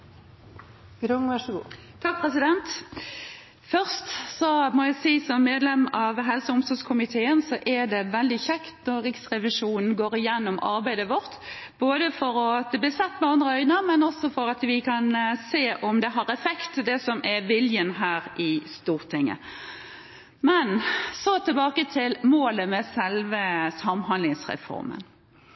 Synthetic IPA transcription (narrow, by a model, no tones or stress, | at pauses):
ɾʊŋʋæʂɡu | t̪ʰɑk̚pʰʁɛsɪd̪ɛnt̪ | fœʁst̪sɔmɔæɪsiːsɔmːeːd̪lɛmɑʋɦɛlsəʊmsɔskʰʊmɪt̪ʰeːənsɔʔɛd̪ɛʋɛld̪ɪçɛkt̪nɔʁʁɪɡsʁɛʋɪʂuːnn̩ɡoːɾɪjɛnːɔmʔɑ̰ɾbæɪd̪əʋɔʁt̪ | boːd̪əfɔɾɔt̪əb̪ɪsɛt̪ːmɛɑnd̪ʁəœʏnəmɛnɔsɔfɔɾɑt̪ʋɪkʰɑnseːʔɔmd̪ɛɦɑɾɛfɛkt̪d̪ɛsɔmʔɛʋɪljənɦæːɾɪst̪uːʁt̪ʰɪŋːə̰ | mɛnsɔt̪ʰɪlbɑːkət̪ʰɪlmoːləmɛsɛlʋəsɑmɦɑnlɪŋsʁɛ̰fɔ̰ɾmə̰n